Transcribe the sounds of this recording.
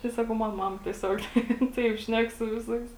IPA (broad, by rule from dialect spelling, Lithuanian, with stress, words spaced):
tɐɪ ˈsɑːkɐʊ ˈmɐn ˈmɑːmɐ tʲiɛˈsʲoːk ˈtɐɪp ˈʃʲnʲɛk sʊ ˈʋʲɪˌsɐɪs